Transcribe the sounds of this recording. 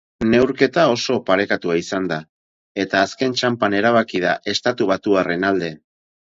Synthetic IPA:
ne̞wɾke̞t̪ao̞so̞paɾe̞kat̪uaisand̪a | e̞t̪aːske̞nt͡ʃampane̞ɾaβ̞akið̞aʔe̞st̪at̪uβ̞at̪uare̞nald̪e̞

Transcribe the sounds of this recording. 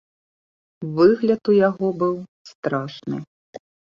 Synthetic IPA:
vɨɣlʲɐt̪ujaɣɔbɨwst̪ɾaʂnɨ̰

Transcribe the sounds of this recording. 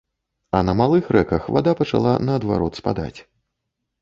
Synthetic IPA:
ɐnɐmalˠɨxrɛkɐxva̰d̪apɐt͡ʂa̰lˠanɐːd̪va̰ɾɔt̪spa̰d̪a̰t͡sʲ

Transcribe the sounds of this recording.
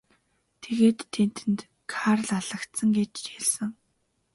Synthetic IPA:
t̪ʰeɣeːt̪ʰːen̥t̪ɘ̆nt̪ | kʰarɮaɮə̆kt̪sə̆ŋɡet͡ɕt͡ɕeɮsɘ̆ŋ

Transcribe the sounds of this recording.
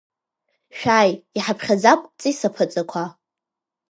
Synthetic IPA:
ʃᶣajiħapʰχʲad͡zapʷʼt͡sʼisapʰɨt͡sʼakʷʰa

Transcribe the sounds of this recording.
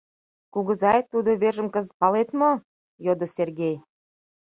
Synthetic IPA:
kuɣəzɑjt̪ud̪oβeʒə̆mkəzpɑlet̪mo | jod̪oserɣej

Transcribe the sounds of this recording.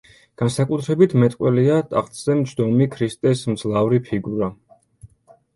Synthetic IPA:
ɡ̥ansakʼut̪ʰɾɛbit̪ʰmɛt̪ʼqʼwɛliat̪ʼa̰χʼt̪ʼz̥ɛmt͡ʃʰd̪ɔmikʰɾist̪ʼɛsmd̪zlˠavɾipʰiɡuɾa

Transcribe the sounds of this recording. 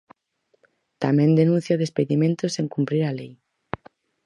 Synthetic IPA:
t̪amẽnd̪enũnθjaðespeðimẽnt̪oseŋkumpɾiɾalej

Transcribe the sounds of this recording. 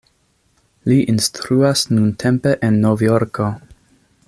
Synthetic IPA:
liʔinstɾuasnuntʰe̞mpe̞ʔenːovjoɾko

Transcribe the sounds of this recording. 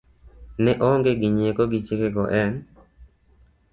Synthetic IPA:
nɛʔɔŋɡeɡɪɲekoɡɪt͡ʃekeɡɔʔɛn

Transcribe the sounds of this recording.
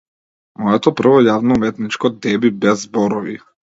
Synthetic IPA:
mɔɛt̪ɔpr̩vɔjavnɔumɛt̪nit͡ʃkɔd̪ɛbibɛzːbɔɾɔvi

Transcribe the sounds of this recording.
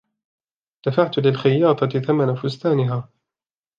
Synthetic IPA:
d̪̥afaʕt̪lɪlxajːɑːt̪ˤɑθamanafʊst̪aːnɪɦaː

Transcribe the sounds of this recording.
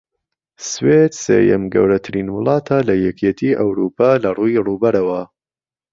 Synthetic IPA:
swed̪sḛːjɐ̰mɡɐ̰wɾɐt̪ʰɨɾiːnwʊlˠɑːt̪ʰalɐjɛkʰet̪ʰiːʔɐwɾuːpʰɑːlɐruːiruːbɐɾɐwɐ

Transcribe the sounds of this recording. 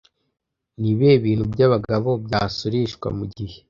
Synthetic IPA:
niβeβiːn̥hubjaβaɡaβo̞bjaːsuɾiʃkwa̰muɟihe̥

